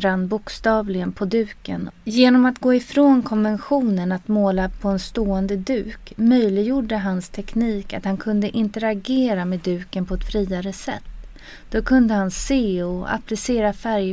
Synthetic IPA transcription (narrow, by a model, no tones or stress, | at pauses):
ɾanːbʊkst̪ɑːvlɪɡənpʰɔd̪ʉ̟ːkə̰njeːnɔmat̪ɡoːɪfɾoːnkʰɔnvɛnɧuːnənat̪moːlapʰɔɛnst̪oːɛnd̪əd̪ʉ̟ːkmœjlɪɡjuːɖːəɦanst̪ʰɛkniːkat̪hankʰɵnd̪əʔɪnt̪əɾaɡeːɾamed̪ʉ̟ːkənpʰɔɛt̪fɾiːaɾəsɛ̰t̪ː | d̪̥ɔkʰɵnd̪əhanseːɔa̰plɪseːɾafæɾj